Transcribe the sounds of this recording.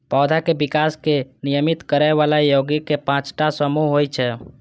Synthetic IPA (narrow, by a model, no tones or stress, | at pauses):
pad̪ʱakebikaskenijəmit̪kəɾɛβalajoɡikepãt͡ʃʈasəmuɦɦojt͡ʃʰɛ